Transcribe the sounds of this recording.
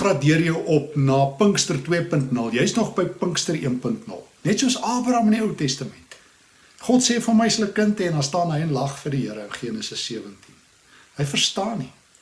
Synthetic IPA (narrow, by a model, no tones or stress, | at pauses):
rɑːdiərjəwʔɔp̚nɑːpəŋkstərtwiəpəntnəlˠjɛjsnɔχbəjpəŋkstəriənpəntnə̰lˠnɛtsuəsɑːbrɐmɛniəwtɛstəmɛnt | χɔtseːfərməjsələkəntɛnɑstɑːnɦəjənlɐχfərdiɦəəɾənχiənəsəsːiəvəntin | ɦəjfərstɑːni